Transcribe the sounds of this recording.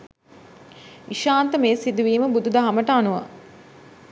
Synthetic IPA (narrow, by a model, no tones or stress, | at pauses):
iʃaːnt̪əmeːsid̪uʋiːməbud̪ud̪ɐɦaməʈəanuʋa̰